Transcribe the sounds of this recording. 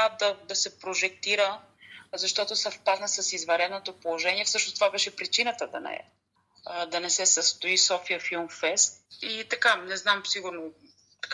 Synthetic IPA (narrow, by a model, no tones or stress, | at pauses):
ad̪ɐd̪ɐsɛpɾoʒɛk̚t̪iɾə | zɐʃt̪ɔt̪osɐfpad̪nəsɐsizvɐɾɛd̪not̪opolˠoʒɛniɛfsɤʃnost̪ovabɛʃɛpɾit͡ʃinət̪əd̪ɐ̰nɛ̰ɛ̰ | d̪ɐnɛsɛsəst̪oisɔfiəfilˠmfɛst̪it̪ɐkanɛznamsiɡuɾno̥